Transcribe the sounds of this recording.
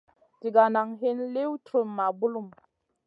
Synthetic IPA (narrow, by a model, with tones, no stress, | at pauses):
ti˨ɡa˨na˨ŋɦe˦nle˦wtʰu˨mːa˨bu˦lu˦˨m